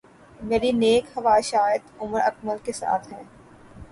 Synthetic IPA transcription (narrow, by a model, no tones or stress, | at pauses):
meːɾineːkhɐʋaːʃaːɪd̪ʊməɾɐ̰kməlkesa̰ːt̪ʰɦɛ̃ː